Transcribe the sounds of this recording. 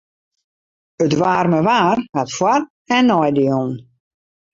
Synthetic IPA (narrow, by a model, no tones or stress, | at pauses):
ətʋaːrməʋaːrhatfwar | ɛnːɔjdion